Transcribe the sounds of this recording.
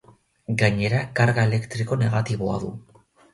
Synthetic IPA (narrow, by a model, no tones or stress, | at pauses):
ɡaɲe̞ɾakaɾɣae̞le̞kt̪ɾiko̞ne̞ɣ̞at̪iβo̞a̰ðu